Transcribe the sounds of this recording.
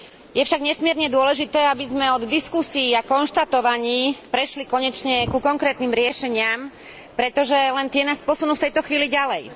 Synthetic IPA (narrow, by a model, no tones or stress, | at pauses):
jɛfʃaɡɲɛsmɪɛɾɲɛd̪ʊɔlɛʒit̪ɛːabizmɛɔd̪d̪iskusiːakɔnʃt̪at̪ɔʋaɲiːpɾɛʃlikɔɲɛt͡ʃɲɛkukɔŋkɾɛːt̪niːmɾɪɛʃɛɲɪam | pɾɛt̪ɔʒɛlɛnt̪ɪɛnaːspɔsunuːft̪ɛjt̪ɔxʋiːliɟalɛj